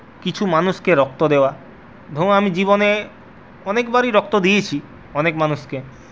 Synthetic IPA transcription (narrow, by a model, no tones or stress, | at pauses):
kit͡ɕʰumanuʃkeɾɔk̚t̪od̪eoa | d̪ʱoamid͡ʑibone | ɔnekbaɾiɾɔk̚t̪od̪ijet͡ɕʰi | ɔnekmanuʃke